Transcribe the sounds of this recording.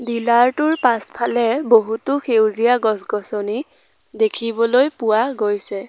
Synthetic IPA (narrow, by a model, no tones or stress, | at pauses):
dilaɹtʊɹpaspʰalɛboɦutʊxʰewzijaɡɔsɡɔsɔni | dekʰibɔlojpʊwaɡojsɛ